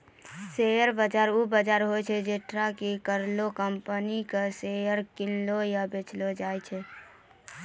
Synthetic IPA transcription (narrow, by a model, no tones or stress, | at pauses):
sejəɾbad͡ʒaːɾubad͡ʒaːɾɦoɛt͡ʃʰɛd͡ʒeʈɾakikəɾlokəmpənikesejəɾkɪnlojabet͡ʃlod͡ʒaːɛt͡ʃʰɛ